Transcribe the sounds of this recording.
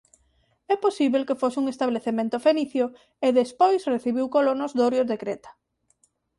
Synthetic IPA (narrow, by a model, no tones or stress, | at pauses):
ɛposiβelkefosɪuŋest̪aβleθemẽnt̪ofeniθjo | eðespojsreθiβiwkolonozðoɾjoðekɾet̪ḁ